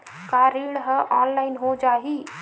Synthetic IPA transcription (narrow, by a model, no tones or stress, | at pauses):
kaɾiɽɦəʔanlaːɪnɦod͡ʒaːɦi